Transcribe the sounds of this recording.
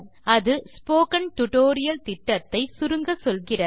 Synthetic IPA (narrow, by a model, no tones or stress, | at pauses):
ɐðɯspoːkɐnʈʊʈoːɾɪjɐlt̪ɪʈːɐt̪ːɐɪsʊɾɯŋɡɐsɔlɣɪrɐ